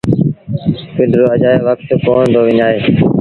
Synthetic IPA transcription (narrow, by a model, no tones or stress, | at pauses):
pɪɖɾoːəd͡ʒaːeːʋəkt̪koːɳnd̪oːʋɪɲaːɦeː